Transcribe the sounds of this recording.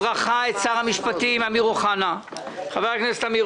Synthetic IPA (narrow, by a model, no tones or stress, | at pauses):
ʁaχaetsaʁhamiʃpat̪imamiʁuχana | χaveʁakneset̪ami